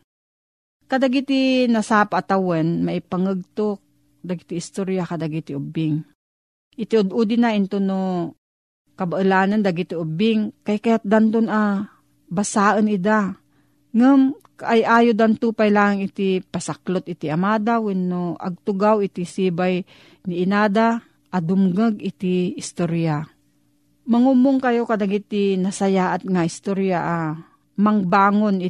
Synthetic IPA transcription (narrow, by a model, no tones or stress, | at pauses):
kad̪aɡit̪inasaːpaʔt̪awɛnmaʔɪpaŋəɡ̚t̪ok̚ | d̪aɡit̪ɪɪst̪oɾjakad̪aɡit̪ɪʔʊbɪŋ | ʔɪt̪ɪʊd̪ʊd̪ɪnaʔɪnt̪ono | kɐbaʔɨlaːnand̪aɡit̪ɪʊbɪŋkajkajat̪̚d̪ant̪ʊna | basaːʔənɪd̪a | ŋɨm | ʔajʔaːjod̪ant̪uːpajlaːŋɪt̪ipasaklot̪̚ɪt̪iʔamaːd̪awɪnːoʔɐ̰ɡ̚t̪ʊɡawɪt̪isibaj | nɪʔɪnaːd̪a | ʔad̪ʊmɡəɡɪt̪ɪɪst̪oɾja | mɐŋumʊŋkɐjokad̪aɡit̪inɐsɐjaʔat̪̚ŋaɪst̪oɾjaʔa | maŋbaːŋonɪ